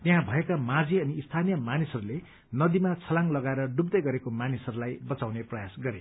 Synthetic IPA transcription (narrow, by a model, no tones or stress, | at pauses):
t̪eɦãbʱʌekamãd͡ziʌniːst̪ʰanijʌmanisʌɾule | nʌd̪imat͡sʰʌlaŋlʌɡaeɾʌɖubd̪ʌjɡʌɾekomanisʌɾulajbʌt͡sawneprʌjasɡʌɾe